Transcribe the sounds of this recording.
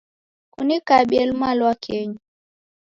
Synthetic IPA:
kunikaɓiɛlmalwakʰɛɲu

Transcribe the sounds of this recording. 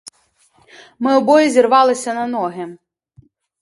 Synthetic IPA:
mɪɔbɔjizʲirʋɑlˠɪsʲɐnɐnɔɦɪ

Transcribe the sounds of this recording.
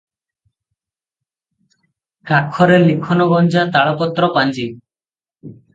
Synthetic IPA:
kakʰːɔɾelikʰɔnɔɡɔnd͡ʒat̪aɭɔpɔt̪ːɾɔpand͡ʒi

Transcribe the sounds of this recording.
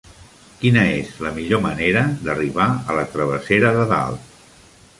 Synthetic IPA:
kinəezləmiʎoməneɾəd̪əriβaələt̪ɾəβ̞əseɾəðəða̰lˠ

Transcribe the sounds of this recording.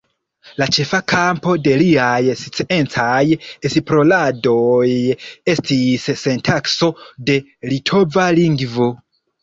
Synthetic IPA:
lat͡ʃe̞fakʰampo̞de̞liajsi̥t͡sie̞nt͡sajesipɾo̞lado̞je̞stisːe̞ntʰakso̞de̞ | litʰo̞valiŋɡvo̞

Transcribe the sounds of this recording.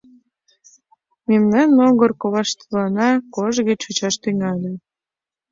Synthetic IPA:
memnɑnːoɣərkoβɑʃt̪lɑnɑkoʒɣet͡ɕut͡ɕɑʃt̪yŋɑlʲe

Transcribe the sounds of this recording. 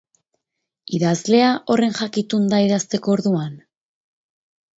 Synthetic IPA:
iðazle̞aʔo̞re̞nʝakit̪und̪aiðast̪e̞ko̞ːɾðuan

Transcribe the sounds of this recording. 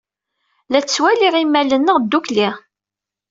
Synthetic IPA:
læt͡st͡sːwæliʁimːælənːəʁd̪ːukliʁ

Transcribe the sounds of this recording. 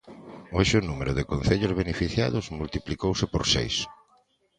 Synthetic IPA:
oʃeʊnumeɾʊðɪkonθeʎʊzβenefiθja̰ðʊzmult̪iplikowsɪpoɾsḛjs

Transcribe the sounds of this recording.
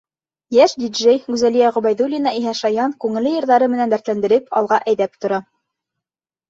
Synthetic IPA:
jæʃd̪ʲidʒejɡʉzælijæʁɵ̆bæjðulʲinɑiɦæʃɑjɑnkʉŋɘ̆lːɘjɤ̆ɾðɑɾɤmɘ̆nænbæɾt̪lænd̪ɘ̆ɾɘpɑ̰lˠʁɑʔæjðæp̚t̪ŏɾɑ

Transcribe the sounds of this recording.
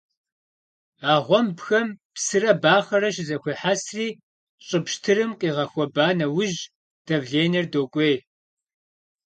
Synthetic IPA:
aːʁʷɔmpxɐmpsɨrɐbaːχɐɾɐʃɪzɐxʷeːħasriː | ɕʼɨpʃtʰɨɾɨmqʼiːʁɐxʷɔbaːnɐwʊʒ | d̥ɐvɮeːnɐrdoːkʷʼeːj

